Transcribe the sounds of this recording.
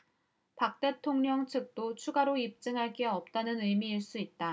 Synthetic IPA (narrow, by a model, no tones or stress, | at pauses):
pak̚t͈e̞tʰoŋɲʌŋt͡ɕʰɯk̚t͈ot͡ɕʰuɡaɾoip̚t͡ɕ͈ɯŋɦaɭk͈e̞ʌp̚t͈anɯnɯjmiːɭs͈uit̚t͈a